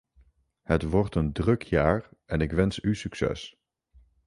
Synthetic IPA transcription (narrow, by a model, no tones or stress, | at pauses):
hətʋɔɹtəndrɵkʰjaːɹɛnɪkʋɛnsysyksɛ̰s